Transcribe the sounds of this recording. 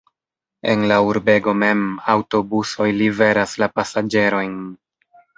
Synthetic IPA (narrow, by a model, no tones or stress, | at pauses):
e̞̰nlauɾbe̞ɡo̞me̞mawto̞buso̞jlive̞ɾaslapasad͡ʒe̞ɾo̞jn